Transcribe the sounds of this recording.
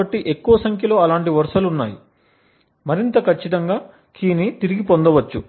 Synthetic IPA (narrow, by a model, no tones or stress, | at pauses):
ɐʈːiʔe̞kːuʋɐsɐŋkʰjɐlo̞ːɐlaːɳʈiʋɐɾʂɐlunːa̰ːji | mɐɾint̪ɐkʰɐt͡ʃːit̪ɐŋɡaː | kʰiːnit̪iɾiɡipond̪ɐʋɐt͡ʃːu